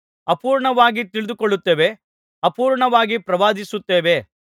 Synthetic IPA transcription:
ɐpuːɾɳɐʋaːɡit̪iɭɪd̪ukoɭːut̪ːeːʋe̞ | ɐpuːɾɳɐʋaːɡipɾɐʋaːd̪isut̪ːeːʋe̞

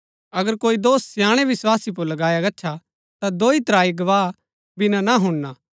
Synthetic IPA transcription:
ɐɡəɾkoːid̪oːssjaːɽ̃eʋɪswaːsip̬ʊɾlɐɡaːjaɡɐːt͡ʃʰa | t̪ad̪oːit̪ɾaːiɡɐʋaː | bɪnãnaɦʊɽnaː

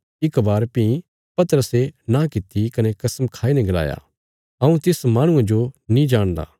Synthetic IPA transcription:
ɪkbaːɾpĩĩ | pɐt̪əɾəsenãkɪt̪ːikɐnɛkɐsmkʰaːinɛ̃ɡɐla̰ːja̰ː | ɐũt̪ɪsmaːɽ̃ʊ̃ãd͡ʒonĩd͡ʒaːɽ̃d̪a̰ː

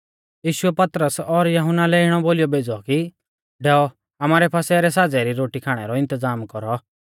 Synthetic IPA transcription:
jiːʃʊɛpɐt̪ɾəsɔɾjɐɦʊnːalɛɪɽ̃ɔboːlijɔbeːd͡zɔki | ɖɛːɔ | ɐmaːɾɛpʰaːsɛɾɛsaːd͡zɛɾiɾoːʈikʰaːɽ̃ɛɾɔɪ̃nt̪əzaːmkɔɾɔ

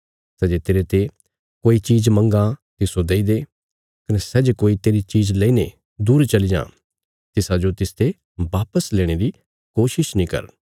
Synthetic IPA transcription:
sɛd͡ʒet̪eːɾet̪e | koːit͡ʃiːd͡ʒmɐ̃ŋɡãt̪ɪsod̪eːid̪e | kɐnɛsɛːd͡ʒekoːit̪eːɾit͡ʃiːd͡ʒlɛ̃ine | d̪uːɾt͡ʃɐlid͡ʒã̰ː | t̪ɪsad͡ʒot̪ɪst̪ʰe | ʋaːpəsleːɽ̃eɾi | koːʃɪʃnĩkɐ̰ɾ

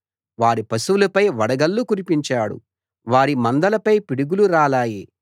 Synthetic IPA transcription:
ʋaːɾipɐsuʋulɐpɐjʋɐɽɐɡɐlːukuɾipiɲt͡ʃaːɽṵ | ʋaːɾimɐnd̪ɐlɐpɐjpiɽuɡuluɾaːlaːji

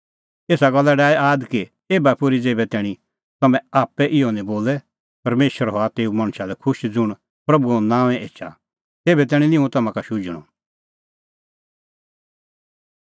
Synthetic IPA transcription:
eːsaɡɐlːaɖaːiʔaːd̪ki | eːbapʊɾid͡zeːbɛt̪ɛːɽ̃ĩ | t̪ɐmɛ̃aːpɛʔɪɔnĩboːlɛ | pɐɾmeːʃəɾɦɔat̪eːũmɐɽ̃ʃalɛkʰʊʃd͡zʊɽ̃ | pɾɐbuõnãːʋɛ̃ʔeːt͡ʃʰa̰ | t̪eːbɛt̪̬ɛːɽ̃ĩnɪ̃ũt̪ɐmãkaʃʊd͡ʒɽ̃ɔ̰

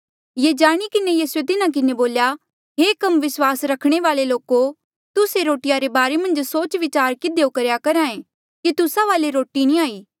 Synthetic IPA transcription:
jed͡ʒaːɽ̃ikɪnejiːsuet̪ɪnãk̬ɪneboːlja | ɦeːkɐmʋɪswaːsɾɐkʰɽ̃eʋaːleloːko | t̪ʊseɾoːʈɪjaɾebaːɾemɐ̃nd͡ʒsoːt͡ʃʋɪt͡ʃaːɾkɪd̪ejokɐɾjakɐɾãːẽ | kit̪ʊsaʋaːleɾoːʈinĩaːiː

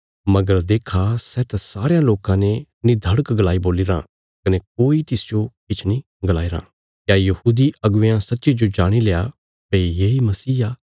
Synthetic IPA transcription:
mɐɡəɾd̪eːkʰasɛt̪ɛsaːɾejãloːkãnenɪd̪ʱəɽəkɡlaːiboːliɾã̰ | kɐnek̚oːit̪ɪsd͡ʒokɪt͡ʃʰnĩ | ɡlaːiɾã̰ː | kjajɐhuːd̪iʔɐɡʊjãsɐt̪ːʃid͡ʒod͡ʒaːɽ̃ileːa | pɛijeimɐsiːaː

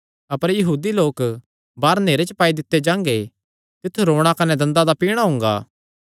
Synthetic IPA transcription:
ɐpəɾjɐɦuːd̪iloːk | baːɾneːɾet͡ʃəpaːid̪ɪt̪ːed͡ʒãːŋɡe | t̪ɪt̪ʰːuɾoːɽ̃akɐnɛd̪ɐ̃nd̪ad̪apiːɽ̃aɦʊ̃ːŋ̆ɡa̰ː

